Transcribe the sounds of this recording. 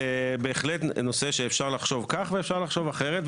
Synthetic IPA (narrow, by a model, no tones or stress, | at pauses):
be̞ːχlet̪no̞seʃeːfʃaʁlaχʃo̞vkaχveːfʃaʁlaχʃo̞vaχeʁet̪